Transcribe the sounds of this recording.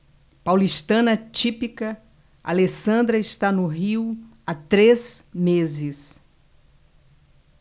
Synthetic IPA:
pawliʃt̪ɐ̃nɐt͡ʃipikɐ | a̰lesɐ̃nd̪ɾɐɪst̪anʊɦiwat̪ɾezmezɪs

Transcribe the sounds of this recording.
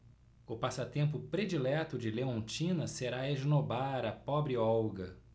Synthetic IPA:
ʊpasɐt̪ẽmpʊpɾed͡ʒilɛt̪ʊd͡ʒɪleõnt͡ʃĩnɐseɾaeʒnobaɾɐpɔbɾɪɔwɡɐ

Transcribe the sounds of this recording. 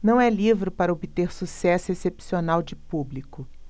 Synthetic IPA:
nɐ̃w̃ɛlivɾɪpaɾɐobit̪eɾsusɛsʊesepsionawd͡ʒɪpublikʊ

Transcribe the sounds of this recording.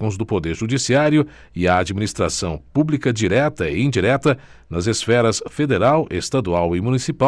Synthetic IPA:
õzd̪ʊpod̪eɾʒud͡ʒisiaɾjʊ | ɪɐːd͡ʒiminist̪ɾa̰sɐ̃w̃publikɐd͡ʒiɾɛt̪ɐɪ̰ẽd͡ʒiɾɛt̪ɐ | nɐzesfɛɾɐsfed̪eɾawʔest̪ad̪uawɪmũnisipa

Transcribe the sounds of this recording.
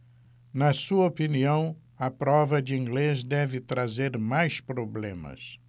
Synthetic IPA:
nɐsuɐopiniɐ̃w̃ | ɐpɾɔvɐd͡ʒɪĩŋɡlezd̪ɛvɪt̪ɾazeɾmajspɾoblḛ̃mɐ̰s

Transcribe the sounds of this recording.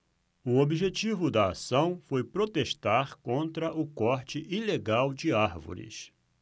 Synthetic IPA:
ʊobiʒet͡ʃivʊd̪ɐasɐ̃w̃fojpɾot̪eʃt̪aɾkõnt̪ɾɐʔʊkɔɾt͡ʃɪʔileɡawd͡ʒɪaɾvo̰ɾɪ̰s

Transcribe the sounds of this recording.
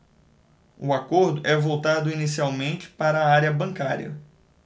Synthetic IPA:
ʊakoɾd̪ʊʔɛvowt̪ad̪ʊinisiawmẽnt͡ʃɪ̥paɾɐːaɾjɐbɐ̃ŋkaɾiɐ̰

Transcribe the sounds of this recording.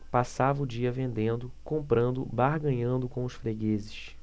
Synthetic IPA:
pasavɐʊd͡ʒiɐvẽnd̪ẽnd̪ʊkõmpɾɐ̃nd̪ʊbaɾɡɐ̃ɲɐ̃nd̪ʊkõw̃ʊʃfɾeɡezɪʃ

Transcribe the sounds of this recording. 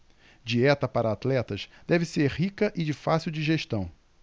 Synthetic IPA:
d͡ʒiɛt̪ɐpaɾɐaːt̪lɛt̪ɐʃd̪̥ɛvɪseɾhikɐʔɪd͡ʒɪfasiwd͡ʒiʒeʃt̪ɐ̃w̃

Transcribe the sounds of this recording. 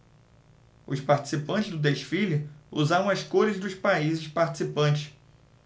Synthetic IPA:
ʊʃpaɾt͡ʃi̥sipɐ̃nt͡ʃɪzd̪ʊd̪eʃfilʊṵzaɾɐ̃w̃ɐskoɾɪzd̪ʊʃpaizɪʃpaɾt͡ʃi̥sipɐ̃t͡ʃɪʃ

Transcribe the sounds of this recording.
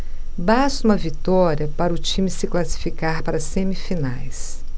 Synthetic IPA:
basũmɐvit̪ɔɾiɐpaɾɐʊt͡ʃĩmɪsɪklasi̥fikaɾpaɾɐsẽmifinajs

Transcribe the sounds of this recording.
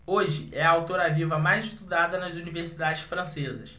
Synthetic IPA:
oʒɪ̰ʔɛɐawt̪oɾavivɐmajzɪʃt̪ud̪ad̪ɐnɐzuniveɾsid̪ad͡ʒɪʃfɾɐ̃sezɐ̰s

